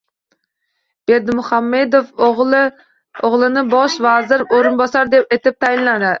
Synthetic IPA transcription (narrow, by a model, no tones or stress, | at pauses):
b̥eɾd̪ɪmuχɑmːed̪ofʁlɨ | oʁlˠɨnɨbɑʃvɑːzɪɾoɾɨnbɑsɑɾd̪ep̚et̪ɪp̚t̪ʰɛjinlɑd̪ɪ